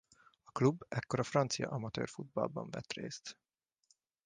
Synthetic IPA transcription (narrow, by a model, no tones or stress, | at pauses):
ɒklubːɛkːo̞ɾɒfrɒnt̪sijɒ̰ʔɒmɒt̪ø̰ːrfud̪̚bɒ̰lbɒɱvɛt̪reːst̪